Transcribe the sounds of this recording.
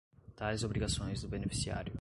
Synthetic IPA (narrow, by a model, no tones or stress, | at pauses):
t̪ajzobɾiɡasõj̃zd̪ʊbenefi̥sia̰ɾjʊ